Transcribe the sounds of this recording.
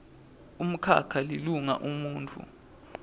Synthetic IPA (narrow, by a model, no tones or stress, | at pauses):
um̩kʰa̰kʰaliluŋa̰ʔumuːntʰʼṵ